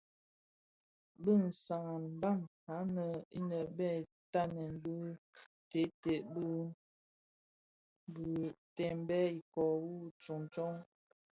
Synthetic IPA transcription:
bə˦˨n̩˨sa˨ŋa˨nm˨ba˦˨mha˨˦nə˨i˦nə˨bɛ˦˨ | ta˦nɛ˨nbə˦ | te˨˦te˨ʔbə˦ | bə˨tɛ˨m˦bɛ˦i˨kɔ˨wu˦t͡ʃu˨ŋ˨t͡ʃɔ˦ŋ

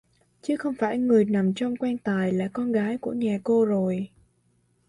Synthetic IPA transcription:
t͡ɕɨ˨˦xə˧wŋ͡mfaː˧˩jŋɨ˨˩əjna˨˩mt͡ɕɔ˧wŋ͡mkwɛː˧nt̪aː˨˩jla̰ː˧˨˩kɔ˧nɣaː˨˦jku˧˩əɲa˨˩ko˧zo˨˩j

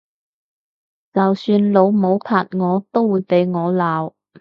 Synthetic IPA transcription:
t͡sɐ˨wsyː˧nlo˨˧wmo˨˧wpʰaː˧˨t̚ŋɔː˨˧t̪o˥wːuː˨˧jpe˨˧jŋɔː˨˧laː˨w

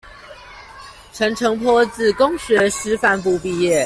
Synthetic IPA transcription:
ʈ͡ʂʰə˧˥ŋʈ͡ʂʰɤ˧˥ŋpʰwɔ˥t͡sɹ̩˥˩kʊ˥ŋɕɥɛ˧˥ʂɻ̩˧˥fa˧˥np̬u˧˩pi˥˧jɛ˥˩

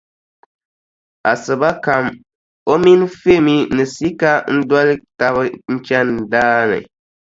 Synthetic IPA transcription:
a˨sɨ˨ba˦ka˨m | o˦mi˦n˦fe˦˨mi˦nɨ˨si˦ka˦n̩˦dwɔ˦lɨ˦ta˦βɨ˦n̩˦t͡ʃɛ˦n˨daː˦nɨ̰˨

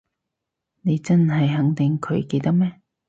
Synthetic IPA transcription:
ne˨˧jt͡sɐ˥nɦɐ˨jɦɐ˨˥ŋt̪ɪ˨ŋkʰɵ˨˧ɥke˧jt̪ɐ˥k̚mɛː˥

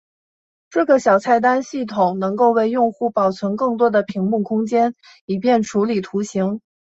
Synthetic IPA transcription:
ʈ͡ʂɤ˥˩ɡə˩ɕjɑ˨˩ʊt͡sʰa˥˩ɪt̪a˥nɕi˥˩t̪ʰʊ˨˩ŋnɤ˧˥ŋko˥˧ʊwe˥˧ɪjʊ˥˧ŋxu˥˩pɑ˨˩ʊt͡sʰwə˧˥nkɤ˥˩ŋt̪̬wɔ˥d̪ə˨pʰi˧˥ŋmu˥˩kʰʊ˥ŋt͡ɕjɛ˥n | i˨˩pjɛ˥˩nʈ͡ʂʰu˧˥li˨˩t̪ʰu˧˥ɕi˧˥ŋ

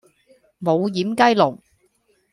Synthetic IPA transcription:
mo˨˧wjiː˨˥mkɐ˥jlʊ˨˩ŋ

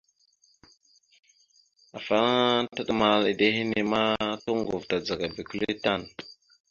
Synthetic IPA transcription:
a˨fa˦ta˦ɗa˦ma˨li˨de˦hi˦ni˦ma˦to˦ŋɡu˨vta˨d͡za˨ɡa˨bi˨ku˦li˦ta˦˨n

